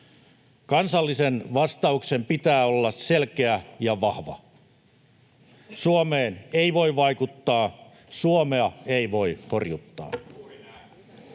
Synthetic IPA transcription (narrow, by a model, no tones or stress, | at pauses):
kɑnsɑlːisenʋɑst̪ɑuksempit̪æːolːɑsselkeæjɑʋɑhʋɑ̰ | suomeːneiʋo̞iʋɑikut̪ːɑː | suomeɑeiʋo̞ihorjut̪ːɑ̰ː